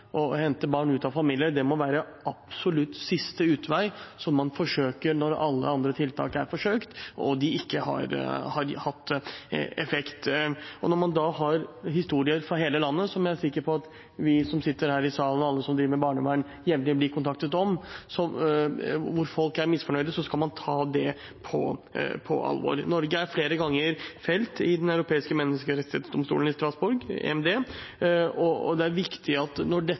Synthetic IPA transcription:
ʔɔhɛnt̪əbɑːɳʉːt̪ɑʋfɑmiːlɪəɾd̪ɛmɔʋæːɾəɑb̥sɔlʉt̪ːsɪst̪əʉːt̪ʋæɪsɔmːɑnfɔʂøːkəɾnɔɾɑlːə̰ɑnd̪ɾət̪ʰɪlt̪ʰɑ̰ːkəæɾfɔʂøːkt̪ɔ̰d̪ɪɪkːəhɑ̰ɾhɑɾhɑt̪ːɛfɛkt̪ɔ̰nɔɾmɑnd̪ɑhɑɾɦɪst̪uːɾɪəɾfɾɑɦeːləlɑnːəsɔmææʂɪkːəɾpʰɔɑt̪ | ʋɪsɔmsɪt̪ːəɾhæːɾɪsɑːlənɔɑlːəsɔmd̪ɾiːʋəəbɑːɳəʋæːɳ | jɛʋnɪɔbliːkʰʊnt̪ʰɑk̚t̪ət̪ɔmsɔ | ʋʊɾfɔlkæɾmɪsfɔɳœʏd̪əsɔskɑlmɑnt̪ʰɑːd̪ɛ | pʰɔ̰pʰɔ̰ʔɑ̰lʋo̰ːɾnɔɾɡəæɾfleːɾəɡɑŋːəɾfɛlt̪ɪd̪ɛnɑʉɾʊpʰeːɪskəmɛnːəskəɾɛt̪ɪhɛːt̪sd̪ɔmst̪ṵːlənɪst̪ɾɑsbʊɾɡḛɛmd̪eː | ɔ̰d̪ɛæɾʋɪkt̪ʰɪɑt̪nɔɖɛ

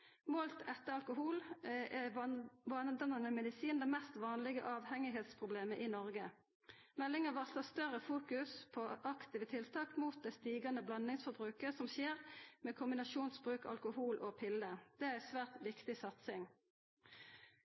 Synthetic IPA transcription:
moːlt̪ʰɛt̪ːəɑlkʊhuːlɛʋɑnd̪ɑnɑnəmɛd̪ɪsiːnd̪ɛmɛst̪ʋɑːnlɪɡə̰ʔɑːʋhɛŋɪɦeːt̪spʰʁʊbleːməʔɪnɔʁɡə | mɛlːɪŋəʋɑsəst̪œʁəfuːkʉspʰoʔɑkt̪iːʋət̪ʰɪlt̪ʰɑːkmuːt̪̚d̪ɛst̪iːɡɑnəblɑnɪŋsfɔbʁʉːkəsɔmʃeːʁmɛːkʰʊmbɪnɑʃuːnsbʁʉːkɑ̰lkʊhuːlʔoːpʰɪlːəd̪̥ɛæʁæɪsʋæːʁt̪ʋɪkt̪ɪsɑt̪sɪŋ

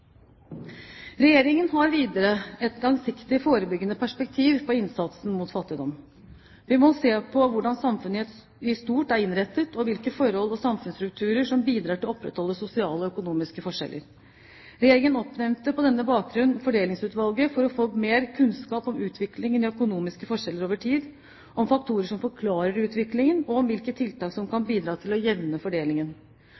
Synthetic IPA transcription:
ɾɛjeːɾɪŋənɦɑɾʋiːd̪əɾəɛt̪lɑŋsɪkt̪ɪfoːɾəbʏɡːənəpʰæʂpɛk̚t̪ʰiːʋpʰɔɪnsɑt̪sn̩mut̪fɑt̪ːɪd̪ɔm | ʋɪmɔseːpʰɔʋʊɖɑnsɑmfʉnəɛt̪ | ɪst̪uːʈæɾɪnɾɛt̪ːət̪ʰɔʋɪlkəfɔɾɔlːɔsɑmfʉnsɾʉk̚t̪ʰʉːɾəʂɔmbiːd̪ɾɑːʈɪlɔpːɾɛ̰t̪ʰhɔlːəsʊsɪɑːləɔœkʊnuːmɪskəfɔʂɛ̰lʔə̰ɾ | ɾɛjeːɾɪŋənɔpːnɛmt̪əpɔd̪ɛnːəbɑːk̚ɡɾʉnːfɔɖeːlɪŋsʉːt̪ʋɑlɡəfɔɾɔfoːmeːɾkʰʉnskɑːpɔmʉːt̪ʰʋɪklɪŋənɪœkʊnuːmɪskəfɔʂɛlːəɾoːʋəʈʰiːd̪ | ɔmfɑk̚t̪ʰuːɾəʂɔmfɔɾkʰlɑːɾəɾʉːt̪ʰʋɪklɪŋənɔɔmʋɪlkət̪ʰɪlt̪ɑːksɔmkʰɑnbiːd̪ɾɑːt̪ʰɪlɔjɛʋnəfɔɖeːlɪŋən

